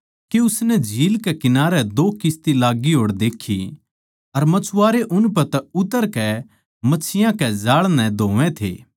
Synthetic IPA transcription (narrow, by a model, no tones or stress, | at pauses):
keʊsnɛd͡ʒʱiːlkɛkɪnaːɾɛd̪oːkɪst̪ilaːɡiɦoːɽd̪eːkʰːi | ɐɾmɐt͡ʃʰʊaːɾeʔʊnpɛt̪ɛʊt̪əɾkɛ | mɐːt͡ʃʰːɪjãkɛd͡ʒaːɭnɛ̃d̪ʱoːʋɛ̃t̪ʰḛː